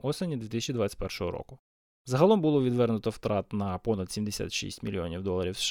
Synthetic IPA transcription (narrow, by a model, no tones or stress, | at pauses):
ɔsenʲid̪ʲit̪ɪsət͡ʃid̪ʋɑt͡sʲə̥tʲpɛrʃɔɦɔɾɔ̰kʊ | zɐɦɐlˠɔmbʊlˠɔʋʲid̪ʋɛrnʊt̪ɔwt̪ɾɑt̪nɐpɔnɐt̪sʲimd̪esʲa̰t̪ʃḭsʲtʲmʲḭlʲiɔnʲiwd̪ɔlˠɐɾʲiwsʃ